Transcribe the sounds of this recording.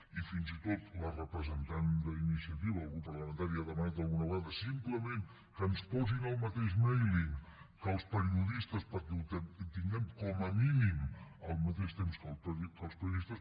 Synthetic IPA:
ifinzit̪ot̪lərəpɾəzənt̪and̪əinisiət̪iβəːlˠɣupərləmə̃nt̪aɾiaðəmənat̪̚d̪əlˠɣunəβəand̪əsimpləmẽn | kənspɔzinəlˠmət̪eʃmɛjliŋkəlˠspəɾiuðist̪əspəɾkɛut̪ɛt̪iŋɡɛmkɔməminiməlˠmət̪eʃt̪emskəlˠkəlˠspəɾjuðist̪əs

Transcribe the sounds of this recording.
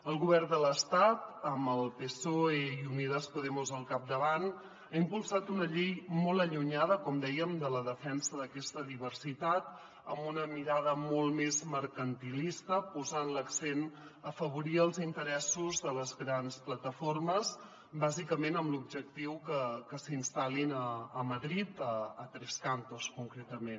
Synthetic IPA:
əlˠɣuβɛrnd̪ələst̪at̪əməlˠpesoeiuniðəspuðɛmuzəlˠkap̚d̪əβan | aimpulˠsat̪unəʎejmɔlˠəʎuɲaðəkɔmd̪ɛjəmd̪ələðəfɛnsəðəkɛst̪əðiβərsit̪at̪ | ə̰mbunəmiɾaðəmɔlˠmezməɾkənt̪ilist̪əpuzanləksen | əfəβ̞uɾiəlˠzint̪əɾɛsuzðələzɣɾansplət̪əforməz | bazikəmenəmlub̚ʒək̚t̪iwkəkəsinst̪alinəːməðɾit̪əːt̪ɾɛskant̪oskuŋkɾɛt̪əmen

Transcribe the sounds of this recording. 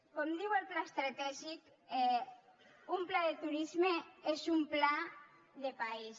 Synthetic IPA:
kɔmd̪iwelplaest̪ɾat̪ɛʒik | ɛ | umplaðet̪uɾizmeezumpla | ðepais

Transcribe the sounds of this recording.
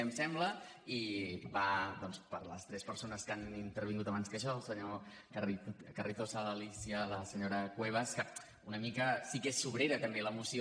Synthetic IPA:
əmsɛmblə | ibad̪ɔnspə̰ɾlə̰st̪ɾɛspəɾsonəskanint̪əɾβiŋɡut̪əβanskəʃɔəlˠsəɲo | kikərit̪osələlisiələsəɲoɾəkweβ̞əskə | unəmikəsikesːuβ̞ɾeɾət̪əmbeləmusio

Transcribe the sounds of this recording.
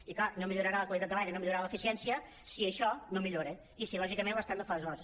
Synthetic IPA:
iklanomiʎuɾəɾaləkwəlˠit̪at̪əlajnenomiʎuɾaləfisiɛnsiə | siəʃɔnomiʎoɾe | isilɔʒikəmẽnbast̪and̪əfalezɣɔze

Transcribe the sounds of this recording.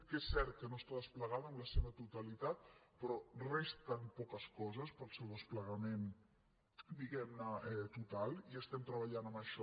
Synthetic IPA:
kesːɛɾt̪̚kənost̪aðəspləɣanəmləseβət̪ut̪əlit̪at̪̚pɾɔrest̪ənpɔkəskɔzəspəlˠsewðəspləɣəmen | d̪iɣɛmnəɛt̪ut̪alˠiəst̪ɛmt̪ɾəβəʎanəməʃɔ

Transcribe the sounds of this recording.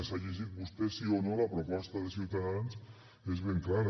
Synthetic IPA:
saʎizibust̪esionolapɾopɔst̪aðesjiwt̪aðans | ezβeŋklaɾa

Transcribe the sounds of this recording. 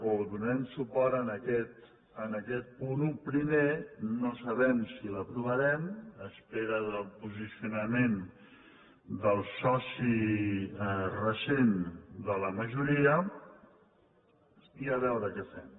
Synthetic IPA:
oðunɛmsupɔɾənəkɛt̪ | ənəkɛt̪̚punupɾimenosəβɛmsiləpɾuβəɾɛməspeɾəðəlˠpuzisiunəmen | d̪əlˠsɔsi | rəsend̪ələməʒuɾiə | iəβɛwɾəkɛfɛm

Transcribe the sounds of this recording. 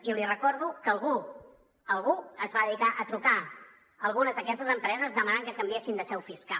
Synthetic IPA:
iulirəkɔɾðukəlˠɣu | əlˠɣuəzβaðəðikaʔət̪ɾuka | əlˠɣunəzðəkɛst̪əzəmpɾɛzəzðəmanaŋkəkəmbiesind̪əʃɛwfiska

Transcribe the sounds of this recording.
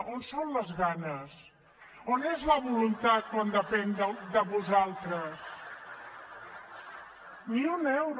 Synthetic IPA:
onsonləzɣanəs | onezləβulunt̪at̪̚kwand̪əpɛnd̪əd̪əβuzalˠt̪ɾəs | mionɛɛwɾ

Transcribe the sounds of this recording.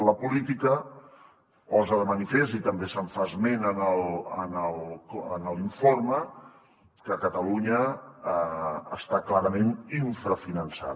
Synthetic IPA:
ləpulit̪ikə | pɔzəðəmənifest̪it̪əmbesəɱfazmenənəlˠənəlˠkənəliɱformə | kəkət̪əluɲə | st̪aklaɾəmeniɱfɾəfinənsa̰ð

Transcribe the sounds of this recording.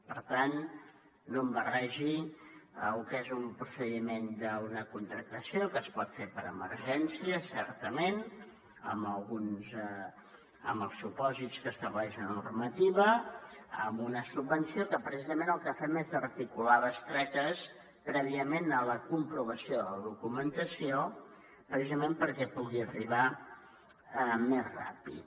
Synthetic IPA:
pəɾt̪anː | ombərɛʒiəlukezumpɾusəðimend̪əunəkunt̪ɾək̚t̪əsiokəspɔt̪fepəɾəmə̰rʒɛnsiəsɛɾt̪əmen | ə̰məlˠɣunz | əməlˠsupɔzit̪t͡skəst̪əβlɛʒənṵrmət̪iβəəmunəsubbənsiokəpɾəsizəmẽnəlˠkəfɛmezərt̪ikulaðəst̪ɾɛt̪əs | pɾɛβ̞iəmenələkumpɾuβəsioðələðukumənt̪əsio | pɾəs̬izəmempəɾkɛpuɣiəriβ̞a | mezra̰pḭt̪

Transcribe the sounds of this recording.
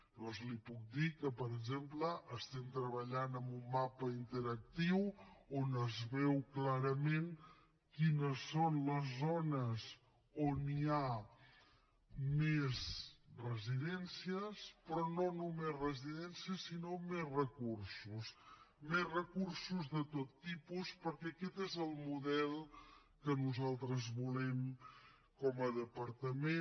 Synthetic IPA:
d̪ɔnzlipuk̚d̪ikəpəɾəɡʒempləʔəst̪ɛmt̪ɾəβəʎanəmbumːapəint̪əɾək̚t̪iwonəzβɛwklaɾəmen | kinəsːonləzːonəs | onia | mezrəziðɛnsiəspɾɔnonumezrəziðɛnsiəsinomezrəkursusmezrəkursuzðət̪ot̪ːipuspəɾkɛəkɛt̪ezəlˠmuðɛlˠ | kənuzalˠt̪ɾəzβulɛm | kɔməðəpəɾt̪əme

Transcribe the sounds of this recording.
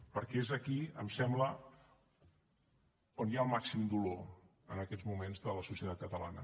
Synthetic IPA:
pəɾkɛezəkiə̰msɛmblə | onjalˠmaksimd̪ulo | ənəkɛd͡zmumenzðələsusiət̪at̪̚kət̪əlanə̰

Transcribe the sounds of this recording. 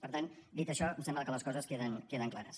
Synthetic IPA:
pəɾt̪and̪it̪əʃɔmsɛmbləkələskɔzəskeðənkeðəŋklaɾəs

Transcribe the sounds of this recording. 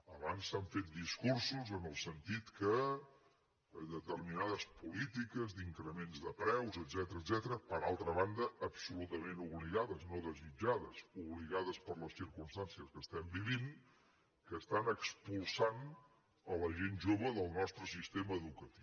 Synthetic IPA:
əβansːaɱfet̪̚d̪iskursuzənəlˠsənt̪it̪kə | ðət̪ərminaðəspulit̪ikəzd̪iŋkɾəmenzðəpɾɛwzəd̪zɛt̪əɾəd̪zɛt̪əɾəpəɾalˠt̪ɾəβand̪əʔːpsulut̪əmenuβliɣaðəznoðəzid͡ʒaðəsuβliɣaðəspəɾləsiɾkumst̪ansiəskəst̪ɛmbiβin | kəst̪anəkspulˠsan | ələʒenʒoβəðəlˠnɔst̪ɾəsist̪eməːðukət̪i̥w

